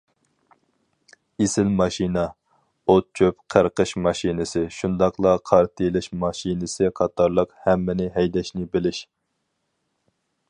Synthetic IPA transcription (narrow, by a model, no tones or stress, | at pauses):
esɪlmɑʃinɑ | ot̪̚t͡ʃʰøpqʰəɾqʰəʃmɑʃinɨsɨʃund̪ɑqlˠɑqʰɑɾt̪ʰilˠɪʃmɑʃinɨsɨqʰɑt̪ʰɑɾlˠəqhɛmːɪnɪɦɛjd̪ɛʃnɪbɪlɪʃ